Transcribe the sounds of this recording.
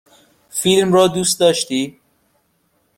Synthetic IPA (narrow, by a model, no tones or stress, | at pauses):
fiːlmrɒːd̪uːst̪d̪ɒːʃt̪iː